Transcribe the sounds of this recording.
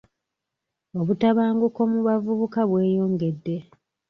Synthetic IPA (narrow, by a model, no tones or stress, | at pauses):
o̞βutaβaːŋɡuko̞muβavuβukaβwe̞ːjo̞ːŋɡe̞dːe̞